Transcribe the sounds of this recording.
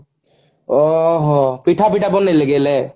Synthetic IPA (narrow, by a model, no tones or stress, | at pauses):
ɔɦɔpiʈʰapiʈʰabɔnːeləɡɛlɛ